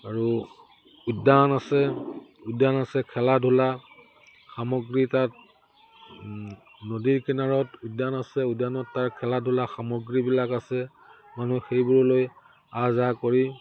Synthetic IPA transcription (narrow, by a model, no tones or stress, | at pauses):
aɹu | udanasɛʊdanasɛkʰɛladʱula | xamɔɡɹitat̚ | nodiɹkɛnaɹɔtudanasɛʊdanɔtːaɹkʰɛladʱʊlaxamɔɡɹibilakasɛ | manuxejbʊɹloj | azakoɹi